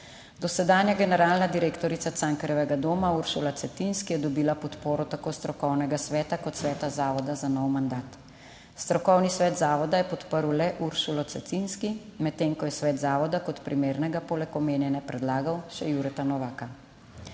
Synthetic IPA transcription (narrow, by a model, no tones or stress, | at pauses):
d̪ɔsɛd̪aːnjaɡɛnɛɾaːlnad̪iɾeːkt̪ɔɾit̪sat̪saŋkɾjɛʋɛɡad̪oːmauɾsulat̪sɛt̪inskijɛd̪ɔbiːlapɔt̪poːɾɔt̪akoːst̪ɾɔkɔwnɛɡasʋɛːt̪akɔt̪sʋɛːt̪azaːʋɔd̪azanɔwmand̪aːt̪ | st̪ɾɔkɔwnisʋɛːt̪zaːʋɔd̪ajɛpɔt̪pəɾwlɛʔuɾsulɔt̪sɛt̪inskimɛt̪ːeːŋkɔjɛsʋɛːd̪zaːʋɔd̪akɔt̪pɾimeːɾnɛɡapoːlɛkɔmeːnjɛnɛpɾɛd̪laːɡawʃɛjuɾɛt̪anɔʋaːka